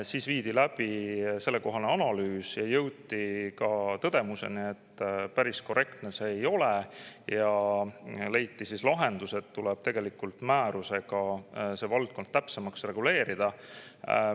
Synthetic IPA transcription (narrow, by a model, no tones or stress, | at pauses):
siːsviːd̪̥ilæb̥ise̞lːe̞ko̞ɦɑneɑnɑlyːsjɑjɤwt̪ːikɑt̪ɤd̪̥e̞muse̞̰nie̞t̪ːpæɾisko̞re̞kt̪ne̞se̞ːjo̞lejɑ | le̞jt̪ːˑisislɑɦe̞nd̪̥use̞t̪ːulɛb̥t̪e̞ɡ̥e̞likːult̪mæːɾuse̞ɡ̥ɑse̞ːvɑld̪̥̚ko̞nd̪̥̚t̪æpse̞mɑksre̞ɡ̥ule̞ːɾid̪̥ɑ